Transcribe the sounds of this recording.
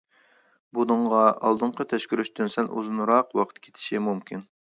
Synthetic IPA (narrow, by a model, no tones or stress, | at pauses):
bunɨɴʁɑɑ̰lˠd̪ɨɴqʰət̪ʰɛʃkʲyɾyʃt̪ynsɛnʔṵzunɾɑqwɑqʰə̥t̪̚kʲʰe̥t̪ʰɪ̥ʃimumkʲʰin